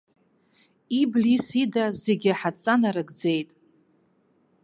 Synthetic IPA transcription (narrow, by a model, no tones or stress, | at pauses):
iblisidazeɡʲaħat͡sʼanaɾɨɡd͡ze̞jtʼ